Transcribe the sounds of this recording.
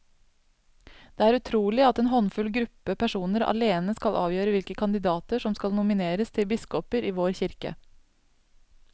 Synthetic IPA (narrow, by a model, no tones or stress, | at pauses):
d̪̥eːæːɾʉt̪ʰɾuːlɪɑt̪eːnɦɔnfʉlɡɾʉpːəpʰæʂuːnəɾɑ̰leːnəskɑlʔɑ̰ːʋjøːɾəʋɪlkəkʰɑnd̪ɪd̪ɑːt̪əʂɔmskɑlnʊmɪneːɾəst̪ʰɪlbɪskɔpəɾiːʋoːɾçɪɾkə̰